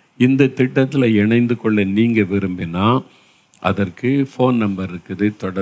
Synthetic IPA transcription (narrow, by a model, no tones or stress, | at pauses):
ɪnd̪ɐt̪ɪʈːɐt̪ːɪlɐɪɳɐɪnd̪ɯkɔɭːɐniːŋɡɐʋɪɾɯmbɪnːaː | ʔɐ̰ðɐrkɯfoːnnɐmbɐɾɪɾɯkːɯðɯt̪ɔɽɐ